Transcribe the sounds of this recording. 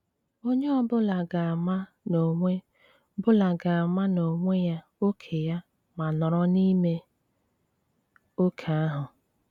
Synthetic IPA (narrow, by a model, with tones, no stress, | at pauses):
o˦ɲe˦ɔ˦bʊ˦la˨ɡa˨ma˦ | no˨ŋʷe˦ | bʊ˦la˨ɡa˨a˨ma˦no˨ŋʷe˦ja˦ | o˦kʰe˨ja˦ | ma˨nɔ˨ɾɔ˦ni˦me˦ | o˦kʰa˨a˦ɦʊ˨